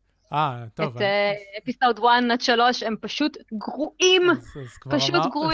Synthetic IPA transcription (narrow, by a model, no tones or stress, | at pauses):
aet̪eepisowd̪wanat̪ʃalo̞ʃempaʃut̪ɡʁuʔimpaʃut̪ɡʁu